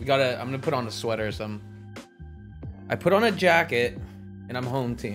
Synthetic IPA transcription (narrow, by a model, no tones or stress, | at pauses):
wiɡɑɾɨã̰ɪ̃mɡʌnəpʰʊɾn̩ðəswɛɾə˞sʌ̃m | ʔaɪpʰʊɾn̩ɨd͡ʒækɨt̚ | ɨ̃ñãɪ̃mɦõʊ̃mtʰĩ